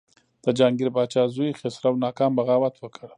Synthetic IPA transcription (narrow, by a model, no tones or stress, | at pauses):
d̪̥əd͡ʒaŋɡɪɾbɑːt͡ʃɑzujixɪsɾawnɑːkɑmbaɣɑːwat̪wəkəɽ